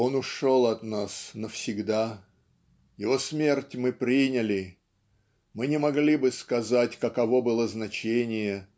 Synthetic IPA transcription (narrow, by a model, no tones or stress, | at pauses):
o̞nʊʂo̞lˠɐt̪nasnəfsʲɪɡd̪a | jɪvosmʲe̞rtʲmɨpɾʲinʲəlʲɪ | mɨnʲɪmɐɡlʲibɨskɐzatʲkəkɐvo̞bɨlˠəznɐt͡ɕenʲɪjə